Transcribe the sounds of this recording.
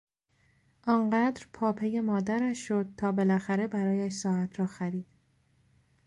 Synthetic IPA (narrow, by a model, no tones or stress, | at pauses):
ʔɒŋɢæːd̪ɾpʰɒːpʰeje̞mɒːd̪æɾæʃːod̪̚t̪ʰɒːbe̞læxæɾe̞bæɾɒːjæʃsɒːæt̪ʰɾɒːxæɾiːd̪̥